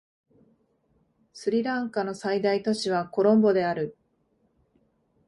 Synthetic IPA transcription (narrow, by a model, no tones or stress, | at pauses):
sɨɾʲiɾãŋkano̞said̪ait̪o̞ɕiβ̞ako̞ɾõ̞mbo̞d̪e̞aɾɯ̟